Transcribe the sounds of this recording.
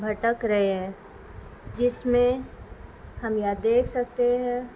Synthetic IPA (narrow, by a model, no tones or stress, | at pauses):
bʱɐʈəkɾɐɦeɦɛ̃ː | d͡ʒɪsmẽ | hɐmjad̪eːkʰsɐk̚t̪eɦɛ̃ː